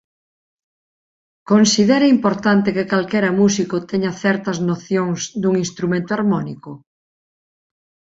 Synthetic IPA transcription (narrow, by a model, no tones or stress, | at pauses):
konsið̞ɛɾeimpoɾt̪ant̪ekekalkɛɾɐmusikʊt̪ɛɲɐθɛɾt̪ɐznoθjoŋsd̪uŋinst̪ɾumẽnt̪ʊaɾmɔnikʊ